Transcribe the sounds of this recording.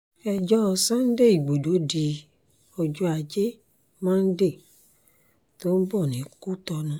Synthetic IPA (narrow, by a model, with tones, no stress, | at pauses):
ɛ˧d͡ʒɔ˦˧sã˦n̩˦de˦˨i˨ɡ͡bo˨do˨˦di˧ | ɔ˧d͡ʒu˧˦a˨d͡ʒe˦ | mãː˦n̩˦de˦˨ | to˨˦n̩˦bɔ˦˨nĩ˨˦ku˦t̪ɔ˧nũ˧˦